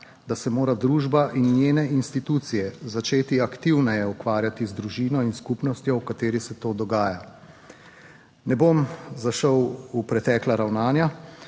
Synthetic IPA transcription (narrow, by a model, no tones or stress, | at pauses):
d̪asɛmoːɾad̪ɾuːʒbaʔinnjeːnɛinst̪it̪uːt̪sijɛzat͡ʃeːt̪iakt̪iwnɛjɛukʋaːɾjat̪izd̪ɾuʒiːnɔinskupnɔst̪jɔwkat̪eːɾisɛt̪oːd̪ɔɡaːja | nɛbomzaʃəwupɾɛt̪ɛːklaɾawnaːnja